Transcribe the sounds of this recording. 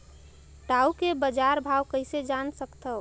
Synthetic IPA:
ɖaukebəd͡ʒaɾbʱawkəɦɪsed͡ʒansəkt̪ə

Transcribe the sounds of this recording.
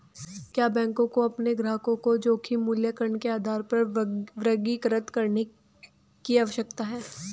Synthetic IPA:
kjaːbɛ̃ːŋkõkoɐpneɡɾaːkõkod͡ʒoːkʰimuːljəkəɾəɳkeaːd̪ʱaːɾpɐɾʋɾəɡikəɾət̪kɐɾne | kiaːʋəʃəkt̪aɦɛː

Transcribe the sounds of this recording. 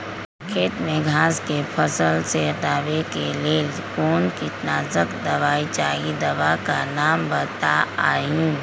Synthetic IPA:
kʰeːt̪mẽɡʱaːskepʰəsəlseʈ̪aːʋekeleːl | koːnkɪt̪naːzəkd̪əʋaːit͡ʃaːɡid̪ɐʋakanaːmbət̪aaːjũː

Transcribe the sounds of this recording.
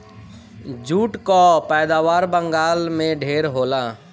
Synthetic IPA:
d͡ʒuːʈkapɛːd̪aːʋaːɾbə̃ŋɡaːlmẽɖʱeːɾɦoːlãː

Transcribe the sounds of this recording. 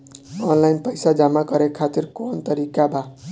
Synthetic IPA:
ɔːnlaɪnpəɪsad͡ʒamakəɾekʰat̪iɾkoːnt̪əɾikabʱa

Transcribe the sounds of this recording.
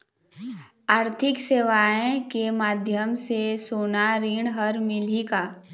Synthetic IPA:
aːɾt̪ʰɪkseːʋaːẽkemaːd̪ʱjəmsesoːnaɾiːɳɦəɾmɪlikaː

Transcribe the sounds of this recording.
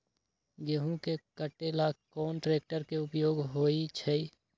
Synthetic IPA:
ɡeɦũkekəʈelakɔːnʈɾeːk̚ʈəɾkeʊpjoːɡɦoːit͡ʃʰɛi

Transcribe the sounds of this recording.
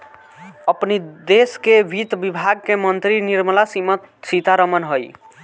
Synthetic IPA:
əpnid̪eskeʋʱit̪bibʱaɡ̚kemənt̪ɾiniɾmlasimət̪sit̪aɾəmənɦoj

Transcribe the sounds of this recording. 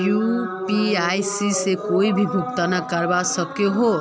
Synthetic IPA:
jupiajsisekoibʱibʱukt̪anakaɾbasɔkjoɦo

